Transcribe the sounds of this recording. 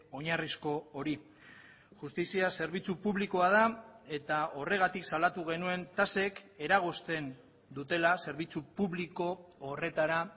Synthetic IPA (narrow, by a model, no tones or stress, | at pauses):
o̞ɲarisko̞oɾi | ʝust̪isiase̞ɾβit͡supuβlikoað̞ae̞t̪ao̞re̞ɣ̞at̪iksalat̪uɣe̞nue̞nt̪ase̞ke̞ɾaɣ̞ost̪e̞n | d̪ut̪e̞lase̞ɾβit͡supuβliko̞ːre̞t̪aɾa